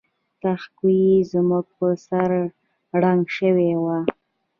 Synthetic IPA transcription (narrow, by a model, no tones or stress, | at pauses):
t̪axkujizmuɡ̚pəsaɾ | ɽaŋɡʃəwewa